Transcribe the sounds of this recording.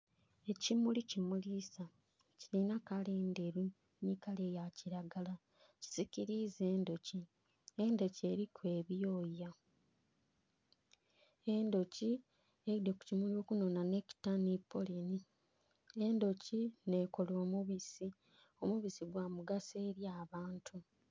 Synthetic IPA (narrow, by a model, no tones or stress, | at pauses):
e̞cimulicimulisa | cilinakaleːnde̞ɾu | nikale̞jaciɾaɡala | ci̥zikiɾize̞ːndo̞ci | endo̞ce̞ɾikwe̞ːβijo̞ja | e̞ndo̞ci | edeku̥cimulo̞ːkuno̞nane̞ci̥tanipʰːo̞leni | e̞ndo̞cine̞ːko̞lo̞ːmuβisi | omuβisiɡwaːmuɡaseːɾjaːβaːntʰu